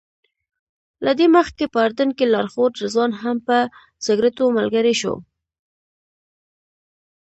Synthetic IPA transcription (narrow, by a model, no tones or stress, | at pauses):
lad̪eməxkepəːɾd̪ənkelɑɾxoɾzwɑnɦampə | z̥ɪɡɾat̪omalɡaɾiʃo̰